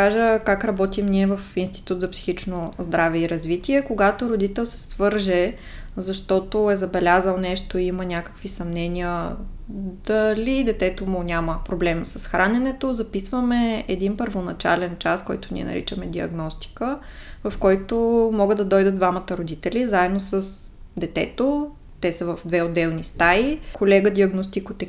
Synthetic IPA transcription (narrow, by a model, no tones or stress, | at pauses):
kaʒəkakɾɐbɔt̪imniɛvɐfinst̪i̥t̪ut̪zɐpsi̥xit͡ʃnozd̪ɾavɛiɾɐzvit̪iɛkoɡat̪oɾod̪it̪ɛlˠsɛ̥svɤɾʒɛ | zɐʃt̪ɔt̪oɛzɐbɛlʲazəlˠnɛʃt̪oiimənʲakə̥kvisɐmnɛniə | d̪̥ɐlʲid̪ɛt̪ɛt̪omʊnʲaməpɾoblɛmsəsxɾʔanʲɛnɛt̪ozɐpisvəmɛɛd̪inpəɾvonɐt͡ʃa̰lɛnt͡ʃaskɔjt̪ʊnḭɛ̰nɐ̰ɾḭt͡ʃəmɛd̪iɐ̰ɡnɔst̪i̥kəvɐfkɔjt̪omɔɡəd̪ɐd̪ɔjd̪əd̪d̪vamɐt̪əɾod̪it̪ɛlizaɛd̪nosəs | d̪ɛt̪ɛ̰t̪o | t̪ɛsɐvəvd̪vɛod̪ːɛlˠnist̪aikʰolɛɡəd̪iɐɡnost̪ikot̪ɛ